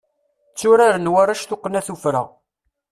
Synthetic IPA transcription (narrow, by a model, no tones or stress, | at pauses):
t͡sːʊɾaɾənwaɾaʃθʊqːnæθufɾa̰